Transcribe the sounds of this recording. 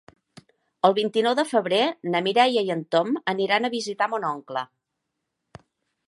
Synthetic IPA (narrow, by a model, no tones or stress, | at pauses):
əlˠβint̪inɔwðəfəβɾenəmiɾɛjəjənt̪oməniɾanəβizit̪amonɔŋklə